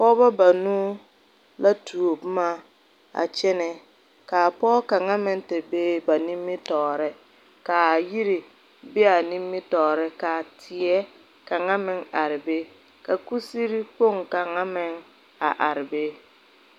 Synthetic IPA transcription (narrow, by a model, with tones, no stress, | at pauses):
pɔ˦ba˦ba˨nuː˦ | la˦tʰu˨o˨bmaː˦ | a̰˨t͡ʃɛ˦nɪ˨ | ka˨pɔː˦ka˨ŋa˦mɪ˦ŋtɪ˨beː˦ba˨ni˦mːɪ˦tɔː˨ɾɪ˦ | ka˨ji˦ɾɪ˨ | be˦a˨ni˦mːɪ˦tɔː˨ɾɪ˦ka˨tʰɪ˨ɛ˦ | ka˨ŋa˦mɪ˦ŋa˨ɾɪ˨be˦ | ka˨ku˦si˦ɾi˦k͡po˦˨ŋka˨ŋa˦mɪ˦ŋ | a̰˨ʔa˨ɾɪ˨be˦